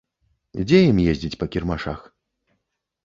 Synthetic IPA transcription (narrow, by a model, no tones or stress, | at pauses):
d͡zʲejimjezʲd͡zʲit͡sʲpɐkʲirmaʂa̰x